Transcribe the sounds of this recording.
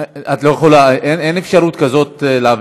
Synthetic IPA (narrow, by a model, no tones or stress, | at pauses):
at̪lo̞jeχolaʔenenefʃaɾut̪kazo̞t̪leav